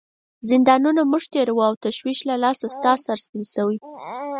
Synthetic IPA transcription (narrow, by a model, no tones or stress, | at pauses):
zɪnd̪ɑnunamuʒt̪eɾawuawt̪aʃwiʃlalɑsast̪ɑsaɾspinʃawi